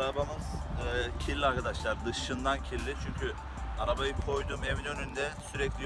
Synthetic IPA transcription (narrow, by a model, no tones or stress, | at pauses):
ɾabamɯzːcʰilʲːiaɾkad̪aʃlˠaɾd̪ɯʃɯnd̪ancʰilʲːit͡ʃʰyɲcʰy | aɾabajɯkʰo̞jd̪umevinø̞nynd̪ɛsyɾɛclʲij